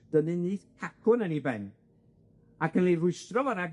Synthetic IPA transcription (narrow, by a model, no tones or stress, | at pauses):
d̥ənɨniːθkʰakʰʊnənibɛn | akʰənlirʊɨstrɔvanaɡ